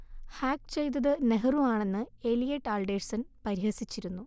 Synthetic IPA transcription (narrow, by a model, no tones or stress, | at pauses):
haːkt͡ɕe̞jt̪̬ːɐðɨneɦɐrumaːɳe̞nːɨeːlijeʈːaːɭɖeːrsɐnpɐɾiɦɐsit͡ɕːiɾunːu